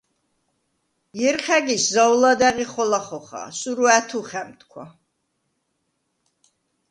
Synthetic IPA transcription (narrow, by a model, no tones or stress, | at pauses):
jɛɾχɛɡiszawlad̪ɛʁiχɔlaχɔχa̰suɾuæt̪ʰuχɛmt̪ʰkʰwa̰